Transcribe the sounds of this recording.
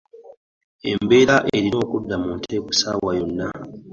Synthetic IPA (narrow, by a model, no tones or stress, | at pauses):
e̞̰mbe̞ːɾaʔeɾino̞ːkudːamuntʰe̞ːku̥saːwwajo̞nːa